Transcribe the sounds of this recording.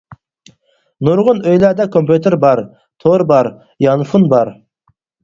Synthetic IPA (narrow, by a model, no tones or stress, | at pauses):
nuɾʁʊnøjlæɾd̪ɛkʰompʰut̪ʰeɾbɑɾ | t̪ʰoɾbɑɾ | jɑnfunbɑɾ